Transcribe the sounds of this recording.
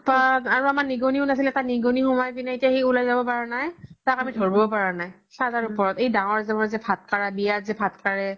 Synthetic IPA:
paaɹuamaɹniɡoniunas̬ilɛtakniɡonixɔmɔjbinaetijaxeulajzabɔpaɹanajtakamidʱoɹbɔbɔpaɹanaj | sazaɹupɔɹɔtejdaŋɔɹzɛmɔzɛpʰat̚kaɹabijatzɛpʰat̚kaɹɛ

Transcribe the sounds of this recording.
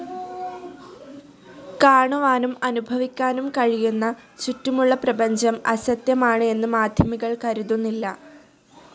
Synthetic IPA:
kaːɳɐʋaːnumɐnubʱɐʋikʲːaːnumkɐɻijunːɐt͡ɕutːumuɭːɐprɐbɐɲd͡ʑɐmɐɕɐt̪jɐmaːɳɨe̞nːɨmaːd̪ʱjɐmiɣɐɭkɐɾuðunːilːɐ

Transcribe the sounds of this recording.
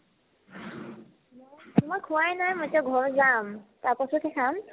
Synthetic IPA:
mmojkʰuwajnajmojtaɡʱɔɹzamtaɹpɔtʰɔtʰɛkʰam

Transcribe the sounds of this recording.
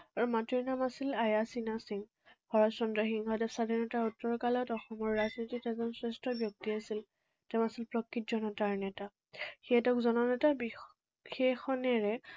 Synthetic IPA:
aɹumatiɹnamasilajasinasiŋ | hɔɹɔsɔndɔɦiŋɦɔtɛsadʱaɹnɔtaɹutːɔɹkalɔtɔxɔmɔɹːaznititɛzɔnsɹɛstɹɔbjɔk̚tiasil | tɛʊ̃asilpɹɔkːit̚zɔnɔtaɹnɛta | xiɛtɛʊkzɔnɔnɛtabi | xexɔnɛɹɛ

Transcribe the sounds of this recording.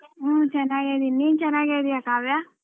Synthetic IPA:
t͡ʃɛnːaːɡed̪iniːnt͡ʃɛnːaːɡed̪ijakaːʋjaː

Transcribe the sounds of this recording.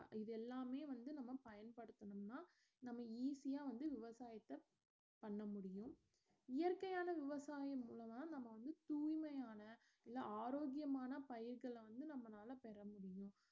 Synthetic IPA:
ɪðɛlːaːmeːʋɐnd̪ɯnɐmːɐpɐjɐnpɐɽɯt̪ːɐɳɯmnaː | nɐmːɐiːsɪjaːʋɐnd̪ɯʋɪʋɐsaːjɐt̪ːɐ | pɐɳːɐmʊɽɪjʊ̃ | ɪjɐɾkɐjaːnɐʋɪʋɐsaːjɐmuːlɐmaːnɐmːɐʋɐnd̪ɯt̪uːjmɐjaːnɐ | ɪlːaaːɾoːɡɪjɐmaːnɐpɐjɪɾɣɐɭʋɐnd̪ɯnɐmːɐnaːlɐpɛɾɐmʊɽɪjʊ̃

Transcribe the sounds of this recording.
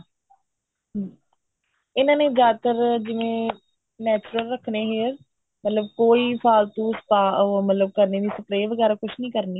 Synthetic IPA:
ɪnãːneːzjaːd̪t̪əɾd͡ʒɪʋẽː | nɛːt͡ʃʊɾəlɾəkʰneːɦeːɾ | mət̪ləb̚koːiːpʰaːlt̪ũːspaːmət̪ləb̚kəɾneːd̪iːsəplaːiʋəɡɛːɾaːkʊt͡ʃʰnĩːkəɾniː

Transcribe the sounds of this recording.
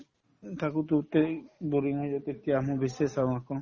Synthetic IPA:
t̪akut̪ut̪ebuɾiŋɔjd͡ʒɔt̪et̪ijaːmubisesawakɔ

